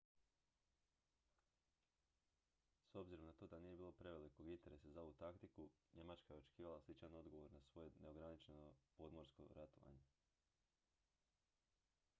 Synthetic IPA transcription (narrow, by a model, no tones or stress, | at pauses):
so̞bziɾomnat̪o̞ːd̪anije̞biːlo̞pɾe̞ʋe̞liko̞ɡint̪e̞ɾe̞sazao̞ʋut̪akt̪ikuɲe̞mat͡ʃkaje̞o̞t͡ʃe̥kiːʋalaslit͡ʃano̞d̪ɡoʋo̞ɾnasʋo̞jeneo̞ɡɾanit͡ʃenopo̞d̪mo̞ɾsko̞̰ɾat̪o̰ʋa̰ɲe̞